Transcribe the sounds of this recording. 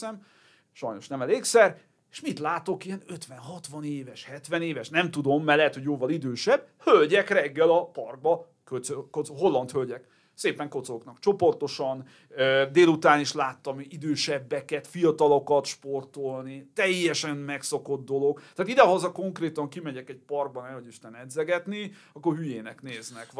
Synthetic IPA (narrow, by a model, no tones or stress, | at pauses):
ɛm | ʃɒjno̞ʃnɛmɛleːksɛr | e̥ʃmit̪laːt̪o̞kijɛnøt̪ʋɛnɦɒt̪ʋɒneːvɛʃhɛt̪ʋɛneːvɛʃnɛmt̪ud̪o̞mːɛlɛɦɛt̪hoɟjoːvɒlid̪øːʃɛb̚ | hølɟɛkrɛɡːɛlɒpɒrɡ̚bɒ | køzøkoɦo̞lːɒnt̪hølɟɛk | seːpɛŋko̞t̪sooknɒkt͡ʃo̞po̞rt̪o̞ʃɒn | ød̪eːlut̪aːniʃlaːt̪ːɒmid̪øːʃɛbːɛkɛt̪fijɒt̪ɒlo̞kɒt̪ʃpo̞rt̪o̞lnit̪ɛjːɛʃɛnmɛkso̞ko̞d̪d̪o̞lo̞ɡt̪aːt̪id̪ɛɦɒzɒko̞ŋkreːt̪ɒŋkimɛɟɛkɛɟ̚pɒrɡ̚bɒnɛho̞ɟiʃt̪ɛnɛd̪zɛɡɛt̪ni | ɒkːorɦyjeːnɛkneːznɛk